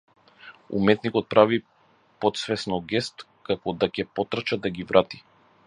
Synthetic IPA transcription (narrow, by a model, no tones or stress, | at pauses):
ṵmɛt̪nikɔt̪̚pɾavi | pɔt̪svɛsnɔɡɛst̪ | kakɔd̪akʲɛpɔt̪ɾat͡ʃad̪aɡʲivɾʔat̪i̥